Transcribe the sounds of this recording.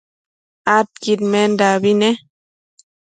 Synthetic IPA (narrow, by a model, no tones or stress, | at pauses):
at̚kit̚mɛndaβinɛ